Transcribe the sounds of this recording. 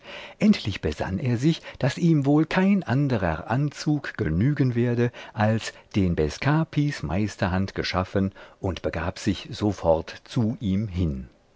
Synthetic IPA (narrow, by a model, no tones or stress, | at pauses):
ʔɛntʰlɪçb̥əza̰nʔeːɐzɪçd̥asʔiːmvoːlkʰaɪnʔandəʁɐ̰ʔant͡suːkɡ̥ənyːɡənveːɐdəʔalsd̥eːnbɛskʰaːpʰismʔa̰ɪstɐhantɡ̥əʃafənʔʊntb̥əɡaːpz̥ɪçz̥ofɔʁtt͡suʔiːmɦɪn